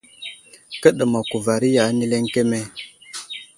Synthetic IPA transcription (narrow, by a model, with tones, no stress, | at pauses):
kə˦ɗə˨ma˨ku˨va˨ɾi˦ja˨˦ni˦le˦ŋke˦me˦